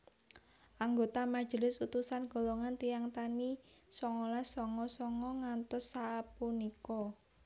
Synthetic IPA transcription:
ʔaŋɡot̪amad̥ʒ̥ə̤lɪsut̪usanɡ̥o̤loŋant̪ijaŋt̪anisɔŋɔlɛsɔŋɔsɔŋɔŋant̪ʊsːaːpunikɔ

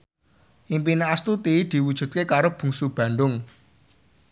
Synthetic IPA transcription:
ʔimpineast̪ut̪id̪̥i̤wud̥ʒ̥ṳt̪̚kekaɾob̥ṳŋsub̥ä̤ɳɖ̪ʊŋ

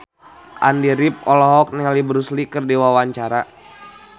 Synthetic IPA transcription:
ʔa̰ndiɾip̚ɔlɔɦɔk̚nɛalibɾuslikɨrdiwawaɲt͡ʃaɾa

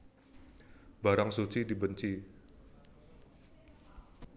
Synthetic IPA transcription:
b̥aɾaŋsut͡ʃidibəɲt͡ʃi

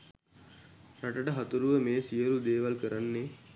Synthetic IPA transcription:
ɾaʈəʈəɦat̪uɾuʋəmeːsijəlud̪eːʋalkəɾanːe

